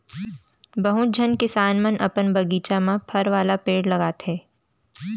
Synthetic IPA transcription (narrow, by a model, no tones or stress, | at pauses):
bɐɦʊd͡ʒʱənkɪsaːnmənʔɐ̰pənbɐɡiːt͡ʃamãpʰɐɾʋaːlapeːɽlɐɡaːt̪ɦɛː